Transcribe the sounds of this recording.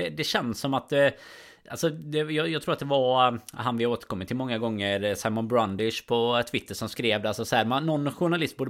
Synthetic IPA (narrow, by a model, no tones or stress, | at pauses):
ɛd̪ɛɕɛnd̪sːɔmat̪ɛ | ʔalsɔd̪ɛjɑjɑːɡt̪ʰɾuːɾat̪̚d̪ɛvaɾɦanvɪoːt̪əɾkʰɔmːɪt̪ʰːɪlmɔŋːaɡɔŋːəɾsaɪmɔnbɾand̪ɪʂpʰɔt̪ʰvɪt̪ʰːəʂɔmskɾeːvd̪ɛalsɔsɔhæːɾmannːɔnːɧʊɳalɪst̪̚buːɖə